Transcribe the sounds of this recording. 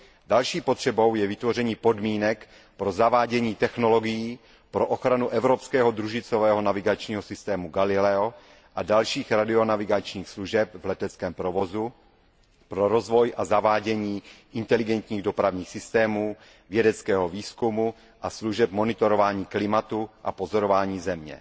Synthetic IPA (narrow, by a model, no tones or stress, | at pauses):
dalʃiːpot̪r̝̥ɛbo̞wjɛvɪt̪vo̞rɛɲiːpo̞dmiːnɛk | pɾo̞zavaːɟɛɲiːt̪ɛxno̞lo̞ɡijiː | pɾo̞ʔoxɾanuʔɛvɾo̞pskɛːɦod̪ɾuʒɪt͡sovɛːɦo̞navɪɡat͡ʃɲiːɦosɪst̪ɛːmuɡalɪlɛo | ʔadalʃiːxɾadɪo̞navɪɡat͡ʃɲiːxsluʒɛpvlɛt̪ɛt͡skɛːmpɾovo̞zu | pɾoɾozvo̞jʔazavaːɟɛɲiːʔɪnt̪ɛlɪɡɛnt̪ɲiːɣdo̞pɾavɲiːxsɪst̪ɛːmuː | vjɛdɛt͡skɛːɦoviːskumu | ʔasluʒɛp̚mo̞nɪt̪oɾovaːɲiːklɪmat̪uʔa̰po̞zoɾovaːɲiːzɛmɲɛ̰